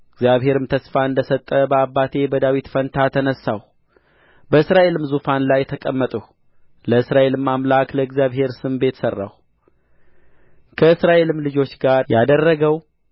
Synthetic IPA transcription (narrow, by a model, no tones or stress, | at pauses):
ɨɡzjaβɦe̞ɾɨmt̪ʰəsfaɨnd̪əsət̪ʼːəbəabːat̪ʰe̞bəd̪awit̪fənt̪ʰat̪ʰənəsːaw | bəɨsɾaʔe̞lɨmzufanlajːɛt̪ʰəkʼəmːət̪ʼəh | ləɨsɾaʔe̞lɨmːamlakləɨɡzjaβɦe̞ɾsɨmbe̞t̪sərːa̰w | kʰəɨsɾaʔe̞lɨmlɨd͡ʒo̞t͡ʃːɡaɾjad̪ərːəɡəw